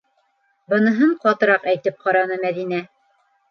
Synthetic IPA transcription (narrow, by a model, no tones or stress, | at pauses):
bɤ̆nɤ̆ɦɤɴqɒt̪ɤ̆ɾɑqæjt̪ɘp̚qɑɾɑnɤmæðinæ